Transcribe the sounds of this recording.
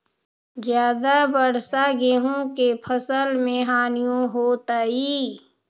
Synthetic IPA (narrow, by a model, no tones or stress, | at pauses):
zjaːd̪abəɾsaɡeɦõkepʰəsəlmẽɦaːnijõɦoːt̪aiː